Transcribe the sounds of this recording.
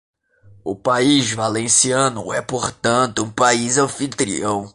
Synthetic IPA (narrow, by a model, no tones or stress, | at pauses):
ʊpaizvalẽsiɐ̃nʊɛpoɾt̪ɐ̃nt̪ʊũpaizɐ̃fit̪ɾḭõw̃